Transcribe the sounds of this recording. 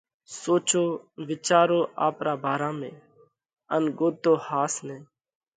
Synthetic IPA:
soːt͡ʃoːʋɪt͡ʃaːɾoːʔa̰ːpɾaːbʱaːɾaːmẽː | ənɡoːt̪oːhaːsnẽː

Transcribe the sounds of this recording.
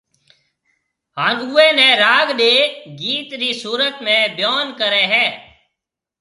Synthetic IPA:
ɦaːnuːẽːnɛ̃ːɾaːɡɗeːɡiːt̪ɾiːsuːɾət̪mẽːbjoːnkəɾẽːɦɛː

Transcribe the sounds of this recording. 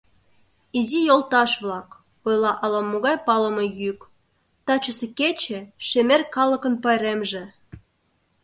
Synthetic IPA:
izijolt̪ɑʃβlɑk | ojlɑʔɑlɑmoɣɑjpɑləmɤjyk | t̪ɑt͡ɕəseket͡ɕĕʃemerkɑlə̆kə̆npɑjɾemʒĕ

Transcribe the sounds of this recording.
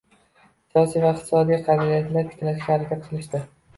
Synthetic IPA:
sijɒsijvaɪqt̪ʰɪ̥sɒd̪ijqʰɑd̪aijat̪ʰlaɾkʲʰɪ̥t̪ʰɪlaʃkʲahaɾakʲat̪̚qʰɨlˠɪʃd̪ɪ

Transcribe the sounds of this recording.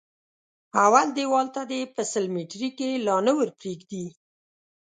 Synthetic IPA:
awald̪ewɑlt̪ad̪epəsəlmeʈɾikelɑnəwəɾpɾeɡd̪i

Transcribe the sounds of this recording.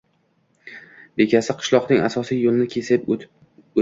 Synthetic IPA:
be̞kʲʰasɪqʰɨ̥ʃlˠɒqnɪŋasɒsijjolˠɪnɪkʲʰesɪ

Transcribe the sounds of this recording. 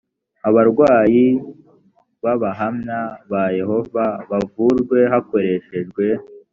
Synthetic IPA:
aβaɾɡwaːji | βaβaɦamɲaβaje̞ho̞vaβavuɾɡwe̞ɦako̞ɾe̞ʃe̞ʒɡwe̞

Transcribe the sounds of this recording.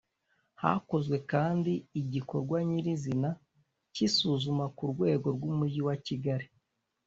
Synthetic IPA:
ha̰ko̞zwe̞kaːndiːɟiko̞ɾɡwaɲiɾizina | cisuzumakuɾɡwe̞ːɡo̞ɾɡwumuɾɟiwaciɡaɾi

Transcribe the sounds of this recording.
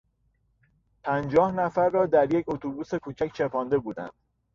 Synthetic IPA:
pʰænd͡ʒɒːhnæfæɾːɒːd̪æɾjecʰot̪ʰobuːse̞kʰuːt͡ʃʰæct͡ʃʰe̞pʰɒːnd̪e̞buːd̪æ̰nd̪̥

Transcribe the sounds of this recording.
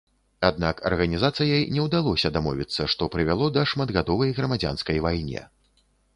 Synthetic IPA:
ad̪̚nakɐ̰rɣɐnʲizat̪sɨjɐjnʲɛwd̪alˠɔsʲɐd̪amɔvʲḭt̪sːɐʂt̪ɔpɾɨvʲalˠɔd̪ɐʂmad̪ɣad̪ɔvɐjɣɾɐmad͡zʲa̰nskɐjvajnʲɛ̰

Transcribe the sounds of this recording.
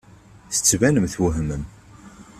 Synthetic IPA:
θə̥t͡sːvænəmθwuɦmən

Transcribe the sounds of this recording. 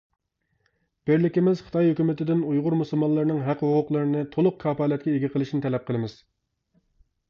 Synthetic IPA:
b̥ɪɾlɪkʲimɪz̥χə̥t̪ɑjhøkʲymɪt̪ɪd̪ɪnujʁʊɾmusɨlˠmɑnlˠəɾɨnɨŋɦæqhoqʰʊqlˠɨɾɨnɨt̪ʰolˠʊq̚kʰɑːpɑːlɛt̪̚kʲɛeɡʲɪqʰəlˠɨʃinɪt̪ʰɛlɛp̚qʰəlˠɨmɪz̥

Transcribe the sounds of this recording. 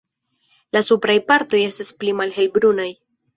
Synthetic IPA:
lasupɾajpaɾto̞je̞stasplimalɦe̞lbɾunaj

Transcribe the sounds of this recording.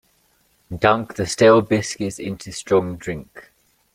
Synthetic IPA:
d̥ʌ̃ŋk̚ðəsteɪlˠbɪskɪzɪ̰̃ntʰustɹ̥ɒ̃ŋdɹɪ̃ŋk

